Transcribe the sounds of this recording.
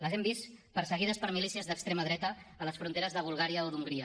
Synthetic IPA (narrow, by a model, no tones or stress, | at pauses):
ləzɛmbispəɾsəɣ̞iðəspəɾmilisiəzðəkst̪ɾeməðɾɛt̪əːləsfɾunt̪eɾəzðəβ̞ulˠɣaɾiəoðuŋɡɾiə